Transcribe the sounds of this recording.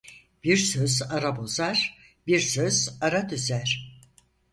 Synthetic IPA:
b̥iɾsøzaɾabo̞zaɾ̥ | biɾsøz̥aɾad̪yzæɾ̥

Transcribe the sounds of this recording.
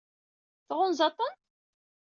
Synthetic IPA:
θʁʊnzɑt̪ˤːənt̪

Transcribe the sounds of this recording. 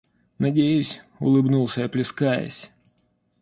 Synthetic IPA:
nɐdʲejʊsʲʊ̰lˠɨbnulˠsʲəɐplʲɪskajə̰sʲ

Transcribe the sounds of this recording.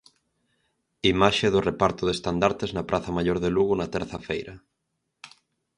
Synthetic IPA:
imaʃeðorepaɾt̪oðest̪and̪aɾt̪eznapɾʔaθamaʎoɾðeluɣ̞onat̪eɾθafejɾa

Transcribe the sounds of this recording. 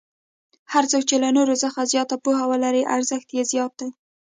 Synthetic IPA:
haɾt͡sok̚t͡ʃelanoɾozəxazjɑt̪apuhawəlaɾiʔaɾzəxt̪jezjɑt̪̚d̪aj

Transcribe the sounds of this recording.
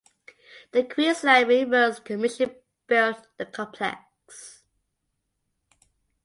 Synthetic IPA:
ðəkʰw̥iəslaɪɹiwəzkʰəmɪtɪ | b̥əθðəkʰɒ̃pʰlɛ̰k | s

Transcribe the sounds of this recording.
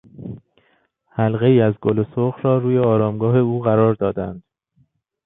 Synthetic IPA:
hælɣe̞iːæzɡolosoxrɒːɾuːje̞ɒːɾɒːmɡɒːɦe̞uːɣæɾɒːɾd̪ɒːd̪æ̰nd̪̥

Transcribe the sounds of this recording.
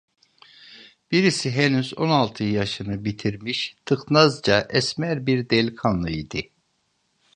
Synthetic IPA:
b̥iɾisiɦɛnyzo̞nalˠt̪ʰɯjaʃɯnɯbit̪ʰiɾmiʃt̪ʰɯxnazd͡ʒaʔɛsmæɾbiɾd̪ɛlʲkʰanlˠɯid̪i

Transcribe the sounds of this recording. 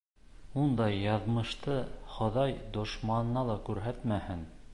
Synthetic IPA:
und̪ɑjːɑðmɤ̆ʃt̪ɤχŏðɑjd̪ŏʃmɑnɤ̆ːɑlˠɑkʉɾɦæt̪mæhɘn

